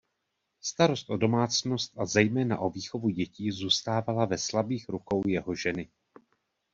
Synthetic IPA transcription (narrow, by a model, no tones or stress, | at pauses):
st̪aɾo̞st̪ʔo̞do̞maːt͡sno̞st̪ʔazɛjmɛːna̰ʔo̞viːxo̞vuɟɛciːzuːst̪aːvalavɛslabiːxɾuko̞wjɛɦo̞ʒɛnɪ